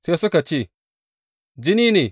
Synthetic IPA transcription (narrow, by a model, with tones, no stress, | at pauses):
seː˦sʊ˦ka˨t͡ʃeː˦˨ | d͡ʒɪ˦niː˦neː˨